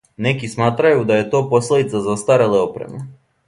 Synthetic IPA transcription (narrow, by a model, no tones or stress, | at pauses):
nekismaːt̪ɾajud̪ajet̪oposlˠed̪it̪sazast̪aɾeleopɾɛ̰me